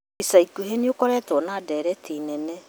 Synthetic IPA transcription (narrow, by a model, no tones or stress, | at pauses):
isaikuɦeniokɔɾɛːtɔnadɛɾɛtiːnɛnɛ